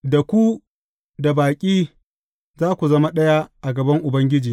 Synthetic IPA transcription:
da˨kʷu˦ | da˨baː˨kʲʼiː˦ | zaː˦kʷu˨zɐ˦ma˦ɗɐ˦ja˦ʔa˨ɡɐ˨bɐ˦ŋʔʊ˨bɐ˦ŋɡʲɪ˦d͡ʒiː˨

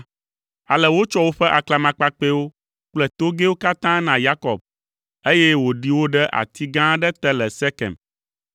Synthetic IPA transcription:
a˨lɛ˨wo˦t͡ʃɔ˦wo˦ɸɛ˦ʔa˨kla˨mã˨k͡pa˦k͡pe˦wo˦ | k͡plɛ˦t̪o˦ɡe˦wo˦ka˦t̪ã˦nã˨ja˦kɔ̰˨b̚ | e˦jɛ˦wo˨ɖi˦wo˦ɖɛ˦ʔa̰˨t̪ʰi˦ɡã˦ɖɛ˦t̪ɛ˦lɛ˨sɛ˦kɛ̰˨m

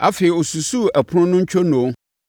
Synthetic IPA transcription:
ʔa̰˦feː˨i˨o˨su˨su˦æ˨pʰʊ˦ɾʊ̃˦nʊ̃˦ɲ̩˦t͡ɕᶣʰo˦nʊ̃˨˦

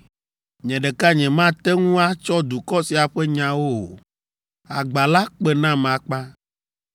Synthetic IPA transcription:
ɲɛ̃˨ɖɛ˨ka˦ɲɛ̃˨mã˦t̪ɛ˦ŋũ˦a˦t͡ʃɔ˦d̪u˨kɔ˦si˨a˨ɸɛ˦ɲã˨wo˦o̰˨ | a̰˨ɡ͡ba˨la˦k͡pɛ˦nã˦mã˨k͡pa˦

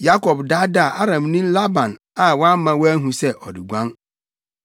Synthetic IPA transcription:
ja˦kɔ˨bda˦da˦˨ʔa˦ɾã˨mnĩ˦la˦bã˨n | a˨wɔ˦a˦mã˨wɦũ˨sɛ˦ʔɔ˨di˨ɡʷã˦n

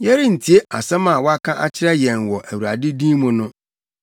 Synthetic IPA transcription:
jɛ˦ɾi˦n̩˨tʰi˨e˦a̰˨sɛ˦mã˨wɔ˦a˦kʰã˦ʔa̰˦t͡ɕʰɪ˦ɾɛ˦jɛ̃˨nwɔ˨ʔæ˨wu˨a˨dɪ˦dĩː˦mʊ̃˨nʊ̃˦

